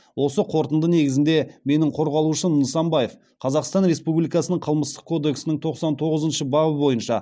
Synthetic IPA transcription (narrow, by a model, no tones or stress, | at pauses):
wo̞səqʰo̞ɾt̪ənd̪əne̞ɡʲɪzɪnd̪e̞me̞nɪɴqʰo̞ɾʁɑlˠuʃənəsɑmbɑje̞f | qʰɑzɑqst̪ɑnɾe̞spublijkɑsənəɴqʰəlˠməst̪ə̥q̚kʰo̞d̪e̞ksɪnɪɴt̪ʰo̞qsɑnt̪ʰo̞ʁəzənʃəbɑʁəbo̞jənʃɑ̰